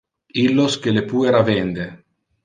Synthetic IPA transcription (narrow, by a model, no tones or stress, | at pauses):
ilːoskelepueɾavend̪e